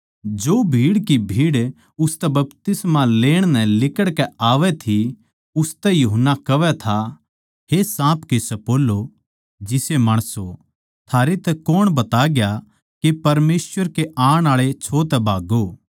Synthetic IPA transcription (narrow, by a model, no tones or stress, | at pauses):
d͡ʒoːbʱiːɽkibʱiːɽ | ʊst̪ɛbɐpt̪ɪsmaleːɽ̃nɛ̃lɪkəɽkɛaːʋɛt̪ʰi | ʊst̪ɛjuɦənːakɐʋɛt̪ʰa | ɦesãːpkesɛpoːlːo | d͡ʒɪsemaːɽ̃əso | t̪ʰaːɾet̪ɛkoːɽ̃bɐt̪aɡja | kepɐɾmeːsʋəɾkeʔãːɽ̃aːɭet͡ʃʰoːt̪ɛbʱaːɡoː